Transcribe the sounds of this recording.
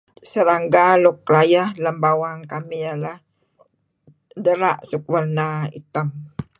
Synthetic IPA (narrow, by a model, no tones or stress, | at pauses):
səɾaŋɡalʊk̚lajahləmbawaŋkamijalah | dəɾa̰ʔsuk̚wərnaḭt̪am